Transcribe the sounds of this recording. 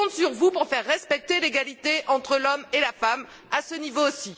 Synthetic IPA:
ɔ̃t̪syʁvupuʁfɛʁːɛspɛk̚t̪eleɡalit̪eʔɑ̃t̪χəlɔmelafam | asənivoːsi

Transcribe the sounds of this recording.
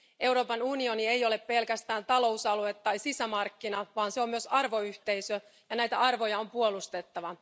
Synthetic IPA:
ʔe̞wɾo̞ːpɑnunio̞niejo̞le̞ppe̞lkæst̪æːnt̪ɑlo̞usɑluet̪ːɑjsisæmɑrkːinɑʋɑːnseo̞mmyøsɑrʋo̞yht̪e̞jsø | jɑnæjt̪æɑrʋo̞jɑo̞mpuo̞lust̪e̞t̪ːɑʋɑ

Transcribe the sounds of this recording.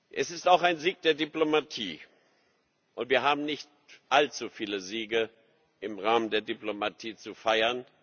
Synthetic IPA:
ʔɛsɪstaʊxaɪnziːk̚d̥eːɐdiplomatʰiː | ʔʊntv̥iːɐɦaːbm̩nɪçt | ʔalt͡sufiːləziːɡə | ʔɪmʁaːməndeːɐdiplomatʰiːt͡sufaɪɐn

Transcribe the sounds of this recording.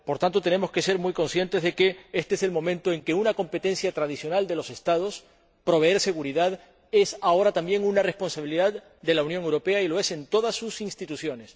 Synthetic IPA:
po̞ɾt̪ant̪o̞t̪e̞ne̞mo̞ske̞se̞ɾmujko̞nsje̞nt̪ezðe̞keest̪eese̞lmo̞mẽ̞nt̪o̞e̞ŋke̞unako̞mpe̞t̪e̞nsjat̪ɾaðisjo̞nald̪e̞lo̞se̞st̪að̞o̞s | pɾo̞βeeɾse̞ɣuɾiðað | e̞sao̞ɾat̪ambje̞ŋunare̞spo̞nsaβiliðað | d̪e̞launjoŋewɾo̞pe̞ailo̞e̞se̞nt̪o̞ð̞asːusinst̪it̪usjo̞ne̞s

